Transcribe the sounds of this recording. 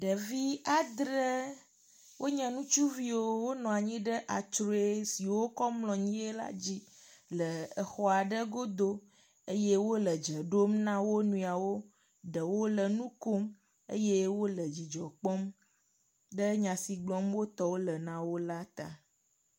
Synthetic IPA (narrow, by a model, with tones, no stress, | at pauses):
ɖə˨vi˦a˨d̪ɾə˦ | wo˦ɲɛ̃˨nũ˦t͡ʃu˦vi˦wo˦wo˦nɔ̃˨a˨ɲĩ˦ɖə˦ʔa˨t͡ʃɾo˨˦e˦si˨wo˦kɔ˦mlɔ̃˨ɲĩ˦e˦la̰˦d͡ʑi˦lə˨ə˨xɔ˦a˨ɖə˦ɡo˦d̪o˦ | e˦jɛ˦wo˦lə˨d͡ʒə˨ɖo˦mnã˦wo˦nũ˦a˨wo˦ | ɖə˨wo˦lə˨nũ˦ko˦m | ḛ˦jɛ˦wo˦lə˨d͡ʑi˨d͡ʒɔ˨k͡pɔ˦m | ɖə˦ɲã˨si˨ɡ͡blɔ˦mwo˦t̪ɔ˦wo˦lə˨nã˦wo˦la˦t̪a̰˨